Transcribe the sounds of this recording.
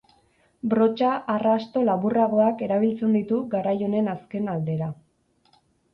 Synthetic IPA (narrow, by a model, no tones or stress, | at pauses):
bɾo̞t͡ʃaʔarast̪o̞laβuraɣ̞o̞ake̞ɾaβ̞ilt͡se̞nd̪it̪uɡaɾajo̞ne̞naske̞nald̪e̞ɾa